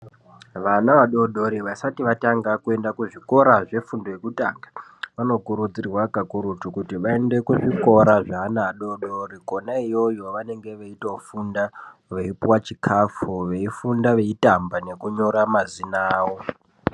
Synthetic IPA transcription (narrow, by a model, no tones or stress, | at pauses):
ʋanaʋaɗo̞ɗo̞ɾiʋasatiʋataŋɡakue̞ndakuʐiko̞ɾaʐe̞fundoje̞kuta̰ːŋɡḁ | ʋano̞kuɾut͡sirwakakuɾutukutiʋae̞nde̞kuʐiko̞ɾaʐaɦːnaːɗo̞ɗoɾiko̞naijojo̞ʋane̞ŋɡe̞ʋeitofundaʋeipiwat͡ʃikʰafuʋe̞ifundaʋe̞itambane̞kuɲo̞ɾamazinaːwo̞